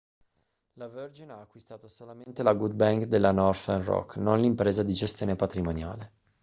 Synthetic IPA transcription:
laverd͡ʒinaːkːwist̪aːt̪osolament̪elaɡud̪̚baŋkd̪elːanɔrfɛnrɔ̰kːnonlimpɾeːzad̪id͡ʒest̪joːnepat̪ɾimonja̰ːle

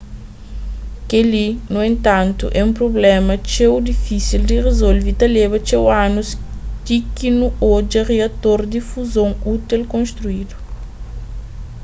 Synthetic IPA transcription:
kelinuẽnt̪ãnt̪ṵʔɛũmpɾoblɛmɐt͡ʃewd̪ifisild̪iʁezolvit̪ɐlebɐt͡ʃewãnust̪ikinuod͡ʒɐʁeɐt̪oɾd̪ifuzõŋut̪elkõnst̪ɾuid̪u

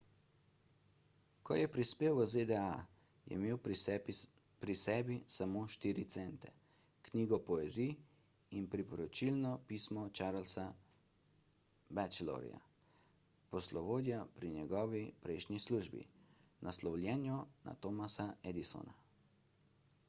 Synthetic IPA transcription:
kʰɔ̰jɛpɾispeːwəzed̪ɛa | jɛ̰meːw | pɾisɛːbisamoːʃt̪iːɾit̪sɛnt̪ɛ̰ | kniːɡɔpɔezi | inpɾipɔɾɔt͡ʃilnɔpismɔt͡ʃaɾlsa | bɛt͡ʃlɔ̰ɾḭa̰ | pɔslɔʋoːd̪japɾinjɛɡɔːʋipɾɛjʃnʲisluʒbḭnʔaslɔwlʲjɛnjɔna̰t̪omasaɛd̪iso̰na

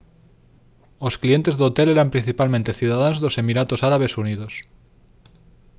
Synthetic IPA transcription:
osklie̞nt̪e̞zðeot̪eleɾampɾin̟θipalmẽnt̪e̞θjuðað̞anozðose̞miɾat̪osaɾaβ̞e̞suniðos

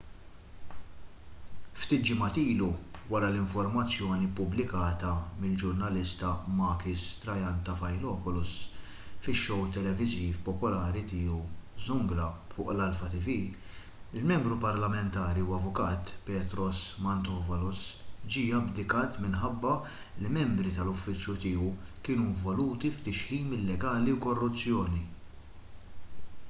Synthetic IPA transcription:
ft̪iːt̪̚d͡ʒɪmɐt̪iːluwɐɾɐlɪɱfɔɾmɐt͡sːjɔːnipʊblɪkɐːt̪ɐmɪld͡ʒʊɾnɐlɪst̪ɐmɐːkɪst̪ɾɐjɐnt̪ɐfɐjlɔːpɔlʊs | fɪʃːɔwt̪ɛlɛvɪziːfpɔpɔlɐːɾit̪iːuzʊŋɡɾɐfʊ̰ːʔlɐlfɐt̪ɪvi | ɪlmɛmbɾupɐɾlɐmɛnt̪ɐːɾiuwɐvʊkɐːt̪pɛːt̪ɾɔsmɐnt̪ɔːvɐlɔsd͡ʒiːɐbd̪ɪkɐːt̪mɪnħɐbːɐ | limɛmbɾit̪ɐlʊfːɪt͡ʃjut̪iːukɪːnuɪɱvɔluːt̪ift̪ɪʃħiːmɪlːɛɡɐːliwkɔrːʊt͡sːjɔːni

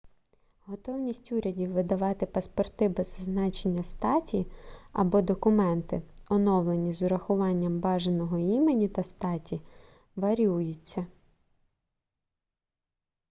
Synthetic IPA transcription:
ɦɔt̪ɔwnʲisʲtʲuɾʲɐdʲiwʋɪd̪ɐʋɑt̪ɪpɐspɔrt̪ɪbɛzznɑt͡ʃenʲːɐst̪ɑtʲiɐ̰bɔd̪ɔkʊmɛnt̪ɪ̰ɔnɔwlˠenʲizʊɾɐxʊʋɑnʲːɐmbɑʒenɔɦɔimenʲit̪ɐst̪ɑtʲi | ʋɐɾʲujʊt͡sʲːɐ

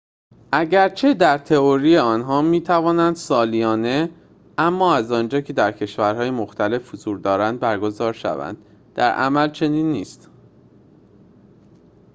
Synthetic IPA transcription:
ʔæɟæɾt͡ʃʰe̞d̪æɾt̪ʰe̞oɾiːjeɒːnɦɒːmiːt̪ʰævɒːnænd̪̥sɒːlijɒːne̞ | æmːɒːæzɒːnd͡ʒɒːcʰe̞d̪æɾcʰe̞ʃvæɾɦɒːjemoxt̪ʰæle̞fhozuːɾd̪ɒːɾænd̪̚bæɾɡo̞zɒːɾʃæ̰væ̰nd̪̥ | d̪̥æɾʔæ̰mælt͡ʃʰe̞niːnːiːst̪

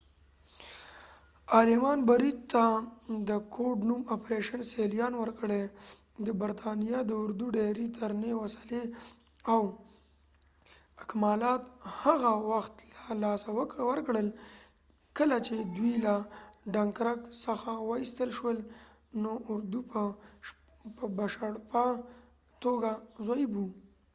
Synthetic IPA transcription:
ɑlɪmɑnbaɾit̪t̪ːad̪əkʰoɖnumapɾeʃanselijɑnwəɾkəɽe | d̪əbaɾt̪ʰɑnijad̪əʊɾd̪uɖeɾit̪ʰaɾnewasale | aw | ɪkmɑlɑt̪haɣawaxt̪lalɑsawwəɾkɽəl | kəlat͡ʃed̪wilaɖaŋkɾaksəxawəist̪əlʃwəl | noʊɾd̪upə | pəbaʃaɽpa | t̪oɡazajbu

